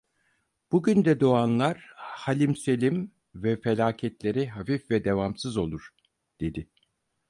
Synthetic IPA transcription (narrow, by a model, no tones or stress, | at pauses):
b̥uɟynd̪ɛd̪o̞anlˠaɾ̥halʲimse̞lʲim | vɛfelʲaːcʰɛt̪lʲe̞ɾiɦafifvɛd̪e̞vamsɯzo̞lˠuɾ̥ | d̪̥e̞d̪ɪ